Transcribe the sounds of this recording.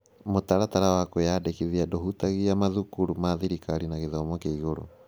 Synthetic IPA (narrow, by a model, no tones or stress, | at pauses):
motaɾataɾawakojadekiðiadoɦutaɣiamaðukuɾumaðiɾikaɾinaɣeðɔmɔkeiɣoɾo̰